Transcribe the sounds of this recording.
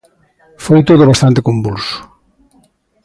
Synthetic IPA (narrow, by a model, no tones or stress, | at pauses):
fojt̪oðoβ̞ast̪ant̪ekombulsʊ̥